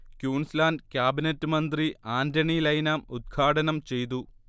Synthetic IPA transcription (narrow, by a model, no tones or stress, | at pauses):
kjuːɳslaːndkʲjaːbinɐtːɨmɐnd̪riaːndɐɳilɐjnaːmud̪̚ɡʰaːɽɐnɐmt͡ɕe̞jt̪̬u